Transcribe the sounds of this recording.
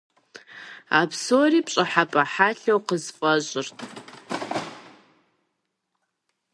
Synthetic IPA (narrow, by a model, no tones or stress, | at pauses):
a̰pʰsoript͡ʃʼaħapʼaħaɬowqəzpʼaʒʷʼɪrtʼ